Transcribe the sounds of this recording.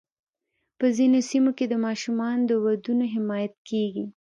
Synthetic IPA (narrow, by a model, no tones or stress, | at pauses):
pəzinosimoked̪əmɑʃumɑnd̪əwad̪unoɦɪmɑjat̪̚keɡi